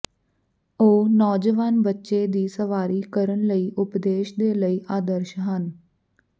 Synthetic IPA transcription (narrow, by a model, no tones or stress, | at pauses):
oːnɔːd͡ʒəʋaːnbətːʃeːd̪iːsəʋaːɾiːkəɾəɳləiːʔʊpd̪eːʃd̪eːləiːʔaːd̪əɾʃɦən